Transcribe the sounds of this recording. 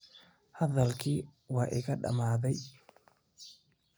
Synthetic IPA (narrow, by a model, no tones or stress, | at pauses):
hɐðɐlkʰiːwɑːʔɪ̰ɣɐɖɐ̰maːðɛj